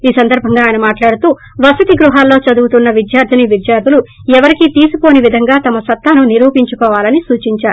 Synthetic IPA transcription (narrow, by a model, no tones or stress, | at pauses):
iːsɐnd̪ɐɾbʱɐŋɡaːjɐnɐmaːʈlaːɽut̪uː | ʋɐsut̪iɡɾuɦaːlːo̞ːt͡ʃɐd̪uːt̪unːɐʋid̪jaːɾd̪ʱɐniʋid̪jaːɾd̪ʱulu | ɛʋɐɾikit̪iːsuko̞ːniʋid̪ʱɐŋɡaːt̪ɐmɐsɐt̪ːaːnuniɾuːpiɲt͡ʃukɔːʋaːlɐnisuːt͡ʃiɲt͡ʃaːɾuu